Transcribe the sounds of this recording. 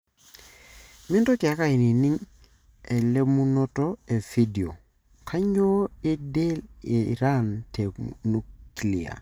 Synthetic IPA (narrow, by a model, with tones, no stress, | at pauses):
mɪ˦nto˦ki˨a˦ka˦i˨ni˨ni˦ŋ | e˨le˦mu˦nɔ˦tɔ˦e˨fi˦di˨o̰˨ | kʰa˦ɲo˦e˦de˦lɪ˨ɾa˦nte˨nu˦kli˨a̰˨